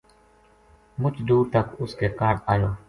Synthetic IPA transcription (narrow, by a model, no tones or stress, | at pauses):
mʊt͡ʃd̪uːɾt̪akuskekaɽajo